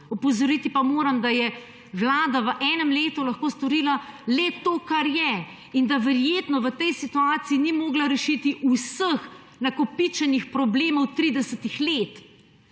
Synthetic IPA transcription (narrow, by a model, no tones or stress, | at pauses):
ɔpɔzɔɾit̪ipamoːɾamd̪ajɛ | ʋlaːd̪aʋəʔɛnɛmleːt̪ulaxkoːst̪ɔɾiːlalɛt̪oːkaɾjɛ | ind̪aʋɛɾjeːt̪nɔʋət̪ɛjsit̪uaːt̪siːnimoːɡlaɾɛʃit̪iʔusəx | nakɔpit͡ʃɛnixpɾɔbleːmɔwt̪ɾid̪ɛsət̪ixleːt̪